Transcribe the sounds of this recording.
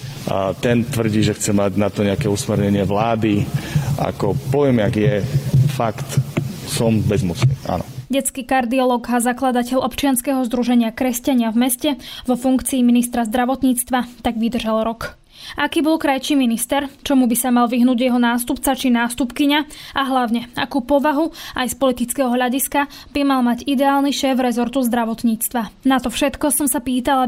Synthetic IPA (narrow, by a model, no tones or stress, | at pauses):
t̪ɛnt̪ʋr̩ɟiːʒɛxt͡sɛmaɟnat̪ɔɲɛakɛusmɛɾɲɛɲɪɛʋlaːd̪ia̰kɔpɔjɛmjaɡjɛfakt̪sɔmbɛzmusnḭːa̰nɔ̰ɟɛt͡skiːkaɾd̪iɔlɔːɡɦazaklad̪acɛʎɔpt͡ʃɪanskɛːɦɔzd̪ɾuʒɛɲɪakɾɛscaɲɪavmɛscɛʋɔfuŋkt͡siːminist̪ɾazd̪ɾaʋɔt̪ɲiːt͡st̪ʋat̪aɡʋid̪r̩ʒalɾɔk | ʔakiːbɔlkɾajt͡ʃiːminist̪ɛɾt͡ʃɔmubisamalʋiɦnuːɟjɛɦɔnaːst̪upt͡sat͡ʃinaːst̪upkiɲaaɦlaʊɲɛa̰kuːpɔʋaɦuajspɔlit̪it͡skɛɦɔɦʎaɟiska | bimalmaɟid̪ɛaːlniʃɛːvɾɛzɔɾt̪uzd̪ɾaʋɔt̪ɲiːt͡st̪ʋanat̪ɔfʃɛt̪kɔsɔmsapiːt̪ala